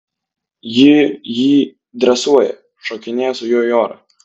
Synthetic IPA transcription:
jɪjiː | d̪ɾɐsuɔjɛ̰ | ʃoːkʲɪnʲeːjɛsʊjoːjoːɾɐ̰

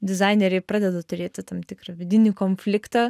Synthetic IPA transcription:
d̪ʲɪzɑɪnʲeɾʲɛpɾɑːd̪ʲɛd̪ɐt̪ʊɾʲeːt̪ʲɪt̪ɐmt̪ʲɪkɾɐʋʲɪd̪ʲɪnʲɪkonʲfʲlʲɪkt̪ɑ

